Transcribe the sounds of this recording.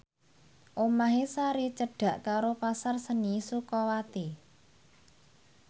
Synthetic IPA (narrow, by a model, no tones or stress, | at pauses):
ʔomaɦesaɾit͡ʃəɖ̥ä̤ʔkaɾopasarsənisukɔwat̪i